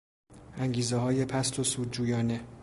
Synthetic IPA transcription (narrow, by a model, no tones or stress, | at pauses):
ʔæŋɡiːzehɒːje̞pʰæst̪ʰosuːd̪̚d͡ʒuːjɒːne̞